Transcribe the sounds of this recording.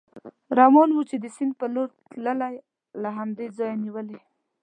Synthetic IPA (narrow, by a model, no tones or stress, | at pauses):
ɾɑmɑnwut͡ʃed̪əsɪnd̪̚pəloɾt̪ləlaj | laɦamd̪ed͡zɑjaniwəli